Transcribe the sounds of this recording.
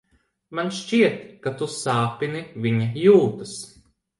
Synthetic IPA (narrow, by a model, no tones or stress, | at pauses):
manʃt͡ʃiɛt̪kat̪usaːpiniviɲajuːt̪ɐs